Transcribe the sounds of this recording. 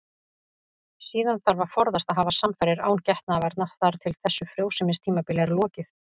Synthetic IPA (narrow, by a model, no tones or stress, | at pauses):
siːðanθaɾvaɾ̥fɔɾðast̪aðɦaːvasamfɛɾɪɾa̰ːwncɛht̪navɛɾt̪naθaɾ̥t̪ʰɪlθɛsːʏfɾjowsɪmɪnst̪ʰiːmapɪlɛɾlɔːcɪθ